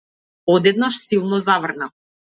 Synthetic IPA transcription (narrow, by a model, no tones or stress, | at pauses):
ɔd̪ɛd̪̚naʃsilˠnɔzavrna